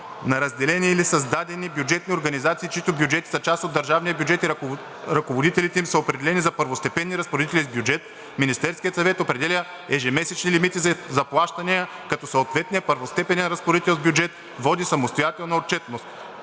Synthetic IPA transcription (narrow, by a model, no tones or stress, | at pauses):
nɐɾɐzd̪ɛlɛniɛilisɐzd̪ad̪ɛnibjud͡ʒɛt̪nioɾɡɐnizat̪siːt͡ʃoit̪objud͡ʒɛt̪i̥sɐt͡ʃast̪od̪ːɐɾʒavnijəbjud͡ʒɛt̪iɾ | ɾɐkovod̪it̪ɛlit̪ɛimsɐopɾɛd̪ɛlɛnizɐpəɾvost̪ɛpɛnːiɾɐspoɾd̪it̪ɛlʲizbjud͡ʒɛt̪ | minist̪ɛɾskʲijət̪sɐvɛt̪opɾɛd̪ɛlʲə | ɛʒɛmɛsɛt͡ʃnilimit̪izɐplˠaʃt̪ɐniə | kɐt̪ɔsoːt̪vɛt̪̚nijəpəɾvost̪ɛpɛnɛnɾɐspoɾit̪ɛlˠzbʲjuʊd͡ʒɛt̪ | vɔd̪isɐmost̪ojat̪ɛlˠnɐot̪̚t͡ʃɛt̪nost̪